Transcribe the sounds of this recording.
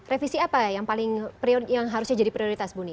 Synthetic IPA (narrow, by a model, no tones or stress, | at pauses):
refisiapajaŋpalɪŋpɾiojaŋɦaɾusɲad͡ʒadipɾioɾit̪asbuni